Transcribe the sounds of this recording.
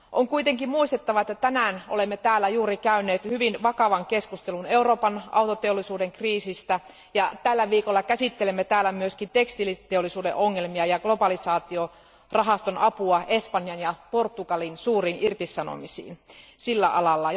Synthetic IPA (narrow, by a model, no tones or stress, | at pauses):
ʔoŋkuit̪eŋkimmuist̪et̪ːɑʋɑet̪ːæt̪ænæːnʔolemːet̪æːlːæjuːɾikæyneːt̪hyʋinʋɑkɑʋɑŋkeskust̪eluneuroːpɑnɑ̰wt̪ot̪eolːisuːdeŋkriːsist̪æ | jɑt̪ælːæʋiːkolːɑkæsit̪ːelemːet̪æːlːæmyøskint̪ekst̪ilːit̪eolːˑisuːdeʔoŋːelmiɑjɑɡ̥lobɑlisɑːt̪io | rɑɦɑst̪onɑpuɑʔespɑnːjɑnjɑport̪ːukɑlinsuːriːnʔirt̪isɑno̰misḭːnsilːæʔɑlɑlːɑ